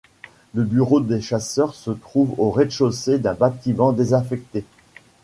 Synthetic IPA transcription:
ləbyʁod̪eʃasœʁsət̪χuvoʁed̪ʃosed̪ɛ̃bat̪imɑ̃d̪ezɛ̃fɛk̚t̪e

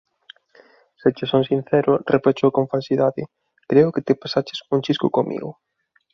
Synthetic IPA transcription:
set͡ʃɪsoŋsin̟θɛɾʊrepet͡ʃowkõɱfalsiðaðɪ | kɾeʊkɪt̪ɪpasat͡ʃɪ̥suŋt͡ʃiskʊkomʔḭɣʊ

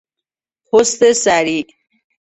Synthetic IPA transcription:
host̪esaɾi

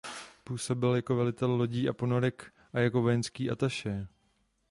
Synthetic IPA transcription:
puːso̞bɪljako̞vɛlɪt̪ɛllo̞ɟiːʔapo̞noɾɛk | ʔajako̞vo̞jɛnskiːʔat̪aʃɛː

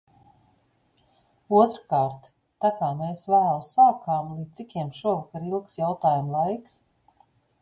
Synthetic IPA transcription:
uɔt̪ɾkaːɾt̪ː | akaːmeːsvæːlˠusaːkaːmlˠiːikʲiɛmʃuɔvakaɾilˠksjawt̪aːjumlˠajks

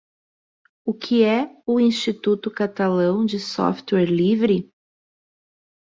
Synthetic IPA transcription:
ʊkʰɪɛʊĩst͡ʃit̪ut̪ʊkat̪alɐ̃w̃d͡ʒɪsɔ̰ft̪wɛɾlivɾɪ

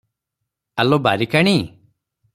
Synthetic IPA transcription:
alɔbaɾikaɽ̃i

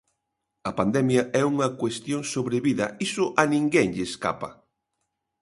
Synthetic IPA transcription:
ɐpand̪ɛmjɐɛuŋɐkwest̪joŋsoβɾeβiðɐisʊʔɐnĩŋɡɛŋʎɪːska̰pɐ̰

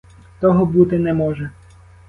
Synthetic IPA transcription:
t̪ɔɦɔbut̪ɪnɛmɔʒɛ

